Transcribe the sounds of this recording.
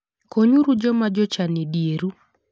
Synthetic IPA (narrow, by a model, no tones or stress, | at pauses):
koɲuɾud͡ʒɔmad͡ʒɔt͡ʃanedijeɾu